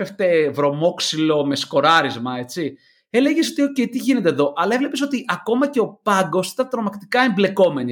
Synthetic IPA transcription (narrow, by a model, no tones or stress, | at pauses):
eft̪evɾo̞mo̞ksilo̞me̞sko̞ɾɐɾizmɐe̞t͡si | e̞le̞ʝeso̞t̪iocet̪iʝine̞t̪e̞ðo̞ʔɐlɐevle̞piso̞t̪iʔɐko̞mɐce̞o̞pɐŋɡo̞si̥t̪ɐnt̪ɾomɐkt̪i̥kɐemble̞ko̞me̞ni